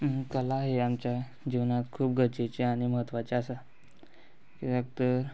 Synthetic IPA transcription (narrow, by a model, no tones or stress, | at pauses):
kəlaɦeamt͡ɕja | d͡ʑiʋnat̪kʰuːp̚ɡʱət͡ɕet͡ɕeaɽ̃iməɦət̪ʋat͡ɕeasa | kidəɡt̪əɾ